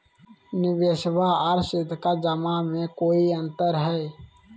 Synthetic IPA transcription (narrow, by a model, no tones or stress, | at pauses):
nɪbeːʃbaaɾsɪt̪kad͡ʒəmamẽkoːiə̃nt̪əɾɦɛː